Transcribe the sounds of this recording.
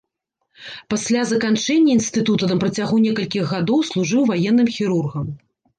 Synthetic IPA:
pasʲlʲazɐkant͡ʂɛnʲːɐinst̪ɨt̪ut̪ɐd̪ɐmpɾɐt͡sʲaɣunʲɛkɐlʲkʲiɣɣad̪ɔwslˠuʐɨwvajɛnːɨmxʲiɾurɣɐm

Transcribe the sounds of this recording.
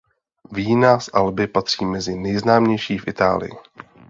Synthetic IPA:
viːnasʔalbɪpat̪r̝̥iːmɛzɪnɛjznaːmɲɛjʃiːfʔɪt̪a̰ːlɪ̰jɪ̰

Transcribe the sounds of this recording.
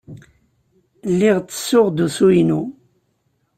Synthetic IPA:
lːiʁt͡sːə̥sːʊʁd̪usujnu

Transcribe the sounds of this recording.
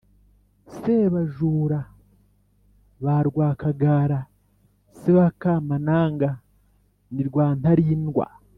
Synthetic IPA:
seβaʒuːɾa | βaɾɡwaːkaɡaɾa | seβakaːmanaːŋɡa | niɾɡwaːntaɾiːnɡwa̰

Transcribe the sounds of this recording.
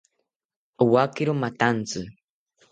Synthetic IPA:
uwakiɾʊmat̪ant͡sɨ

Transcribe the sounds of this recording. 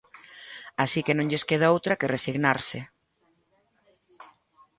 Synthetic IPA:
asikenõŋʎeskeð̞aowt̪ɾɐkeresiɣnaɾsɪ

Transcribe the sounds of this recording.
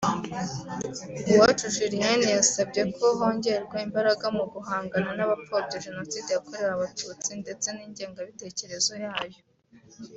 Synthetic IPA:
uwat͡ʃuʒiɾianijasabɟe̞kʰo̞ɦo̞ːɲɟe̞ɾɡwaimbaɾaɡamuɡuɦaːŋɡananaβapob̚ɟoʒe̞no̞t͡sidejako̞ɾe̞ɾaβatʰuːt͡sinde̞t͡se̞niːɲɟe̞ːŋɡaβite̞ːce̞ɾe̞zo̞jaːjo̞

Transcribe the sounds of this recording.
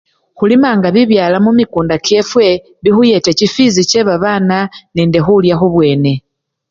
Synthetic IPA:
xulimaŋɡaβiβjaːlamumikuːndake̞ːfwe̞ | βixuje̞tecifizice̞βaβaːnaneːndexuljaxuβwe̞ːne̞

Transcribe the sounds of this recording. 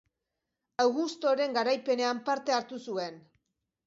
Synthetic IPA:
awɣust̪oɾe̞ŋɡaɾajpe̞ne̞ampaɾt̪e̞aɾt̪usue̞n

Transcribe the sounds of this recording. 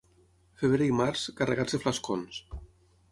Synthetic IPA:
feβeɾeimaɾskarʔḛɣazðeflaskons

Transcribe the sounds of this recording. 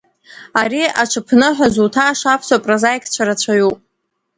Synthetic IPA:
aɾiaʈ͡ʂʰɨpʰnɨħʷᶣazutʰaːʂapʰsapʼrazajkʰt͡ɕʷʰaɾat͡ɕʷʰaɥupʼ

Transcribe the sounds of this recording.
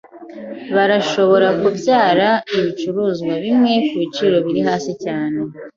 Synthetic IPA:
βaɾaʃo̞βo̞ɾakuvjaːɾaiβit͡ʃuɾuːzɡwaβimŋe̞kuβit͡ʃiɾo̞βiɾiɦaːsicaːne̞

